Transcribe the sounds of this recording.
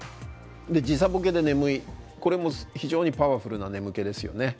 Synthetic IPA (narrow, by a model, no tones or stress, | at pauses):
d̪e̞d͡ʑis̬abok̬e̞d̪e̞ne̞mɯ̟iko̞ɾe̞mo̞çiʑo̞ːɲ̟ipaβaɸɯ̟ɾɯ̟nane̞mɯ̟ke̞d̪e̞sɨjo̞̰ne̞